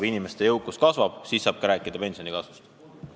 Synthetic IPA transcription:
binimest̪e̞jɤwkːuskɑsvɑb̥siːsːɑːb̥̚kɑɾæːkːˑid̪̥ɑpe̞nsʲio̞nikɑsvust̪

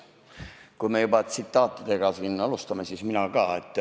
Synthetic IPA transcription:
kuime̞jubɑt̪sit̪ːˑɑːt̪ːˑid̪̥e̞ɡ̥ɑsinːɑlust̪ɑmesisminɑkɑːe̞t̪ːˑ

